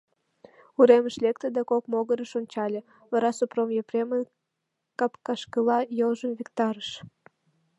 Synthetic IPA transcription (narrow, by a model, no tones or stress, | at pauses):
uɾeməʃlʲekt̪əd̪ɑkokmoɣəɾəʃonʲt͡ɕɑlʲe | βɑɾɑsopromjeprʲemə | kɑpkɑʃkəlɑjəlʒəmvʲikt̪ɑɾəʃ